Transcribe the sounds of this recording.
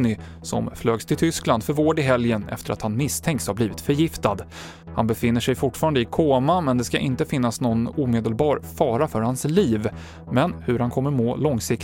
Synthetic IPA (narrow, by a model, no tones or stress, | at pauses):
nɪ | sɔ̰mfløːɡst̪ʰɪlt̪ʰʏskland̪fœɾvoːɖɪɦɛljənɛ̰ft̪əɾa̰t̪hanmɪst̪ʰɛŋk̪shaɾbliːvɪt̪fœɾjɪft̪ad̪ | hanbɛfɪnːəʂɛjfʊʈfɑːɾand̪əɪkʰoːmamɛnd̪ɛskaʔɪnt̪əfɪnːasnɔnuːmeːd̪əlbɑːɾfɑːɾafœɾhansliːv | mɛnhɵɾhankʰɔmːəɾmoːlɔŋsɪk